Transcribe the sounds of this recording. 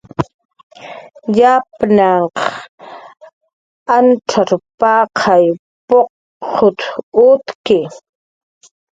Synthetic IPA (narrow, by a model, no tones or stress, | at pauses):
japnaɴq | anʈ͡ʂʰaɾpɑqʰɑj | poq | hʊt̪ʊt̪kɪ